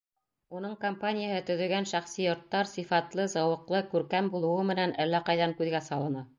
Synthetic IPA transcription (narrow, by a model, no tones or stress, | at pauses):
unɤɴkompanʲɪjəhɤt̪ɵ̆ðɵ̆ɡænʃæχsijŏɾt̪ːɑɾsifɑt̪lˠɤzɑwɤ̆qlˠɤkʉɾkæmbulˠɤ̆wɤmɘ̆nænælːæqɑjðɑŋkʉðɡæsɑlˠɤ̆nɑ